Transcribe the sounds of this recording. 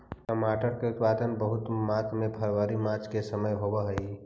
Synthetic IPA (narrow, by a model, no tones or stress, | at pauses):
kəmaːʈəɾkeʊt̪paːd̪ənbəɦʊt̪maːt̪ʰmẽpʰəɾʋəɾimat͡ʃkesəməjɦobəɦəi